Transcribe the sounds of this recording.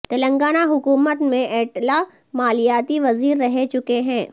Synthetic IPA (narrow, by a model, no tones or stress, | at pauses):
t̪ɐlə̃ŋɡaːnaɦʊkuːmət̪mẽʔɛːʈla | maːlijaːt̪iʋɐziːɾːɐɦet͡ʃʊkeɦɛ̃ː